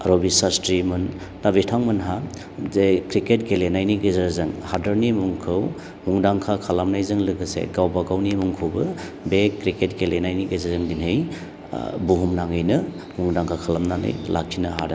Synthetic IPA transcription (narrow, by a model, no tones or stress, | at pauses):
aɾobisastɾimɯn | tabitʰaŋmɯnɦa | zekɾiketɡelenajniɡezaɾzɯŋhadaɾnimuŋkʰɯw | muŋdaŋkʰakʰalamnajzɯŋlɯɡɯsḛɡawbaɡawnimuŋkʰɯwbɯ | bekɾiketɡelenajniɡezazɯŋdinɦɯj | buɦumnaŋɯjnɯ | muŋdaŋkʰakʰalamnanɯ̰jla̰k̚ʰinaɦa̰da